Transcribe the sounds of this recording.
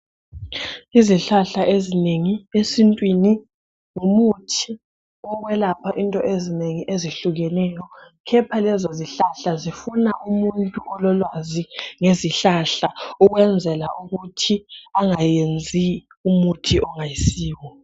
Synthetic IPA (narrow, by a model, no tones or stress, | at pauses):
iziɬaɬaʔezineŋiesintʼwini | ŋumutʰi | ɔɣwɛlapʰaʔintʼɔʔezineŋiʔeziɬuɣɛnɛjɔ | kʰɛpʰalɛzɔziɬaɬazifunaʔumuntʼuʔɔlɔlwaziŋeziɬaɬauɣwɛnd͡zʱɛlaʔuɣutʰiaŋajend͡zʱi | umutʰiʔɔŋajisiːwɔ